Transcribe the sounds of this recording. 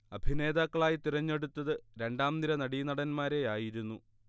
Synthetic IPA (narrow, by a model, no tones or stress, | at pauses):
ɐbʱine̞ːd̪aːkːɐɭaːjit̪iɾɐɲːe̞ɽut̪ːɐðɨɾe̞ɳɖaːmd̪iɾɐnɐɽinɐɽɐnmaːɾe̞jaːjiɾunːu